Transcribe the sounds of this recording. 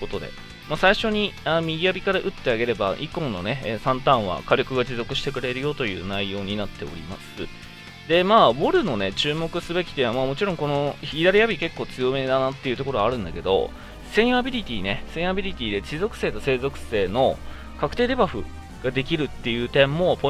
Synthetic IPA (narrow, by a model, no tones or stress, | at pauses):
kot̪o̞d̪e̞̰ | masaiɕo̞ɲ̟ianmʲiɡʲiabʲikaɾaʔɯ̟t̪ːe̞aɡe̞ɾe̞ba̰ʔḭkõ̞nːo̞̰ne̞ːsãnt̪ãɰ̃β̞a̰kaɾʲo̞kɯ̟ɡad͡ʑizo̞kɯ̟ɕi̥t̪e̞kɯ̟ɾe̞ɾɯ̟jo̞t̪o̞jɯ̟ːnaijo̞ːɲ̟inat̪ːe̞o̞̰ɾʲḭmasɨ | d̪e̞maːbo̞ɾɯ̟no̞ne̞t͡ɕɨːmo̞kɯ̟sɨbe̞kʲi̥t̪ːeβamaːmo̞t͡ɕiɾõ̞ŋko̞no̞çiɾaɾʲijabʲike̞kːo̞ːt͡sɨjo̞me̞d̪anat̪ːe̞jiɯ̟t̪o̞ko̞ɾo̞aɾɯ̟̃nd̪ake̞d̪o̞̰ | sẽ̞ɰ̃abʲiɾʲit̪ʲiːne̞sẽ̞ɰ̃habʲiɾʲit̪ʲiːd̪e̞d͡ʑizo̞kɯ̟se̞ːt̪o̞se̞ːzo̞kɯ̟̥se̞ːno̞ | kakɯ̟̥t̪eːd̪e̞baɸɯ̟̰ | ɡ̥ad̪e̞kʲiɾɯ̟t̪ːe̞jɯ̟ːt̪ẽ̞mːo̞po